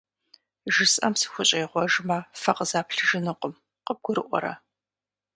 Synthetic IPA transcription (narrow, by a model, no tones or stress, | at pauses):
ʒɨsʼʔɐmsɨ̥xʷʊɕʼɐjʁʷɔʒmɐfɐqəzaːpɬɨʒɨnɨqʷʊm | qəb̚ɡ̥ʷʊɾɨʔʷɔ̰ɾɐ̰